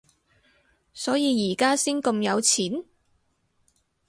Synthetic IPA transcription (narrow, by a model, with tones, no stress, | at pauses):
sɔː˨˥jiː˨˧jiː˨˩kaː˥siː˥ŋkɐ˧mjɐ˨˧wt͡sʰiː˨˥n